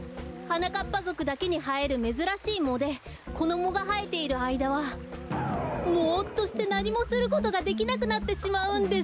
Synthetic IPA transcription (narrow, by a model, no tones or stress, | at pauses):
hanakapːazo̞kɯ̟d̪ake̞ɲ̟iɦae̞ɾɯ̟me̞zɨɾaɕiːmo̞d̪e̞ | ko̞d̪o̞mo̞ɡaɦae̞t̪e̞iɾɯ̟aid̪aβ̞a | mot̪ːo̞ɕi̥t̪e̞naɲʲimo̞sɨɾɯ̟ko̞t̪o̞ɡad̪e̞k̬ʲinak̬ɯ̟nat̪ːe̞ɕimaɯ̟̃nd̪e